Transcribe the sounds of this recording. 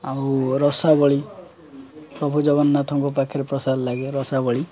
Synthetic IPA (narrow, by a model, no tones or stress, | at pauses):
awɾɔsabɔɭi | pɾɔbʱud͡ʒɔbɔnːat̪ʰɔŋkɔp̬akʰːiɾepɾɔsaɾlaɡeɾɔsabɔɭi